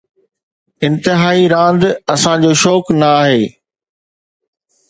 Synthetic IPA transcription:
ɪ̃nt̪ɪɦaːiɾãːnd̪ɐsãd͡ʑoːʃɔːknɐaːɦeː

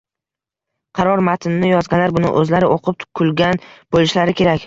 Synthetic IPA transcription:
qʰɑɾɒɾmat̪ʰɪnːɪjɒzɡʲanlaɾbʊnɪ̰ʔɵzlaɾɪʔoqʰɨp̪̚ʰkʰʊlˠɡʲanb̥olɪʃlaɾɪkʲʰe̞ɾakʲ

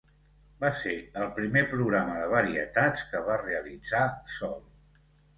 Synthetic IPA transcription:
baseəlˠpɾimepɾuɣɾaməðəβəɾiət̪at͡skəβ̞areəlid͡zasɔlˠ

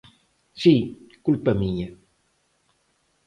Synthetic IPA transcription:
siːkulpːəmiːə

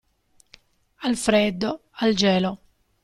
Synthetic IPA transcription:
alfɾɛd̪ːoald͡ʒɛːlo

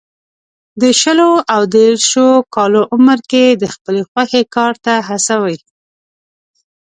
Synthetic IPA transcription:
d̪əʃəloʔawd̪eɾʃokɑloʔʊməɾked̪əxpəlexwaxekɑɾt̪aɦasawəj

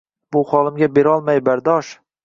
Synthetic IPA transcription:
b̥ʊχɒlˠɪmɡʲabe̞ɾɒlˠmajbaɾd̪ɒʃ

